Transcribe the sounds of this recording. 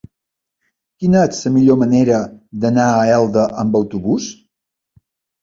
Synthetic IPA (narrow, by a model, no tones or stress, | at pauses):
kinəet͡ssəmiʎoməneɾəd̪ənaəɛlˠd̪əʔəmbəwt̪uβus